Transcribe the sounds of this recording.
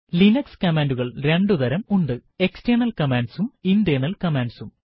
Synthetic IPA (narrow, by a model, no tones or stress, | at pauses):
linɐkskɐmaːnduɣɐɭɾe̞ɳɖuðɐɾɐmuɳɖɨe̞kstɐːɳɐlkɐmaːnɖsumindeːnɐlkɐmaːnɖsum